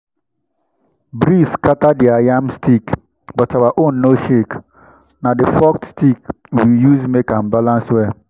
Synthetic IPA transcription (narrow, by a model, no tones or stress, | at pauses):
bɾiskataddiajamstʰik | bɔtawaʔõnːoʃek | nadɪfɔk̚tstik | wijuzmekãmbalãnswɛ